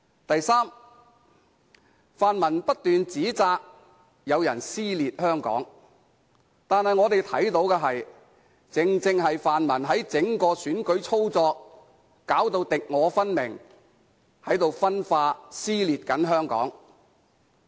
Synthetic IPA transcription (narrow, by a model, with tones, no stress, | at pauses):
t̪ɐ˨jsaː˥m | faː˨nmɐ˨˩npɐ˥t̚t̪yː˨nt͡siː˨˥t͡saː˧k̚ | jɐ˨˧wjɐ̰˨˩nsiː˥liː˨t̚hœː˥ŋkɔ̰ː˨˥ŋ | t̪aː˨nhɐ˨jŋɔː˨˧t̪e˨jt̪ʰɐ̰˨˥jt̪o˨˥wkɛː˧ɦɐ˨j | t͡sɪ˨˧ŋt͡sɪ˧ŋɦɐ˨jfaː˨nmɐ˨˩nɦɐ˨˥jt͡sɪ˨˥ŋkɔː˧syː˨˥nkɵ˨˥ɥt͡sʰo˥wt͡sɔː˧kː | aː˨˥wt̪o˧wt̪ɪ˨k̚ŋɔː˨˧fɐ˥nmɪ˨˩ŋ | hɐ˨˥jt̪o˨wfɐ˥nfaː˧siː˥liː˨t̚kɐ˨˥nɦœː˥ŋkɔ̰ː˨˥ŋ